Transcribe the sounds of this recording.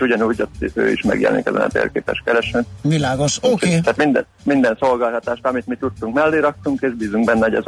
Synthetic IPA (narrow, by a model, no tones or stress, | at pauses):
uɟɒnuːɟot̪ːø̰ːḭʃmɛ̰ɡjɛ̰lɛ̰nikɛzɛ̰nɒ̰t̪ḛːrkeːpɛ̰ʃkɛɾɛʃɛnvilaːɡoʃot̪æːt̪mind̪ɛ | mind̪ɛnso̞lɡaːlt̪ɒt̪aːʃt̪ɒmit̪mit̪ut̪ːuŋkmɛlːeːɾɒk̚t̪uŋkeːʒbiːzuŋɡbɛnːɛoɟɛ̰z